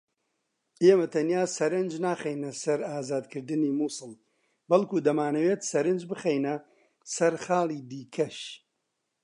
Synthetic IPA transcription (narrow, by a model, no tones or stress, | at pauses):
ʔeːmɐt̪ʰɐnjaːsɐɾɨnd͡ʒnaːχejnɐsɐɾaːzaːd̪kʰɨɾd̪ɨniːmuːsɨlˠ | bɐlˠkuːd̪ɐmaːnɐweːt̪sɐɾɨnd͡ʒbɨχejnɐ | sɐɾχaːlˠiːd̪iːkʰɐʃ